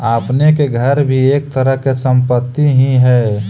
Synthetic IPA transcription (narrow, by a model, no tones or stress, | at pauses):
aːpnekeɡʱəɾbʱieːk̚t̪əɾəɦkesə̃mpət̪ːiɦĩɦɛː